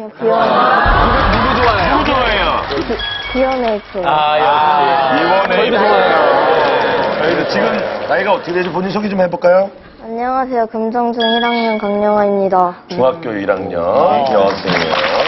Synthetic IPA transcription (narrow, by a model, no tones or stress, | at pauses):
kijʌneɯɡeuɡud͡ʑowaeood͡ʑoejo | kijʌnet͡ɕ͈eajʌiɡʌneoajoeaiɾet͡ɕiɡɯmnaiɡaʌt̪͈ʰɯkeded͡ʑupoɲinsʰoɡid͡ʑomheboɭk͈ajo | aɲːʌŋasʰe̞jokɯmd͡ʑʌŋd͡ʑɯŋiɾaŋɲʌnkaŋɲʌŋɦaɲimɲidat͡ɕuŋɦak͈̚joiɾaŋɲʌnkiʌas͈ɯɲḭa